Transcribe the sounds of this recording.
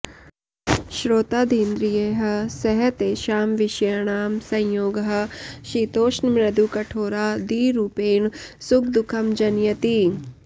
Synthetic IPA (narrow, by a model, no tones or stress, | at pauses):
ʃɾoːt̪aːd̪ʱiːnd̪ɾijeːɦɐ̆sɐɦɐt̪eːʃaːmʋɪʃjaɳaːmsɐ̃j̃joːɡɦɐ̆ʃiːt̪oːʃnmɾɐd̪ukɐʈʰoːɾaːd̪iːɾuːpeːɳsʊkʰd̪ʊkʰɐmd͡ʒɐnjɐt̪i